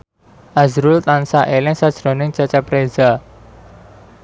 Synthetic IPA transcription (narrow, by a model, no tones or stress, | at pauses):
ʔazɾʊlt̪ansaʔelɪŋsad̥ʒ̥ɾo̤nɪŋt͡ʃat͡ʃɛpɾeza